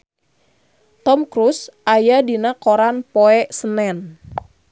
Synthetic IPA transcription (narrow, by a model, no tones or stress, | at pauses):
t̪ɔmkɾusʔajadinakoɾanpoɛsənɛn